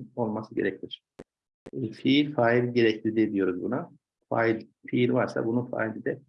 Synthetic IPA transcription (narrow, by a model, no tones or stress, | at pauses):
o̞lˠmasɯɟeɾɛcʰiot͡ʃʰyɛ | fiilʲfaːilʲɟe̞ɾɛcʰlʲid̪ɛd̪ijo̞ɾuzbuna | fa̰ːilʲfiilʲvaɾsa̰bununfa̰ːilʲid̪ɛ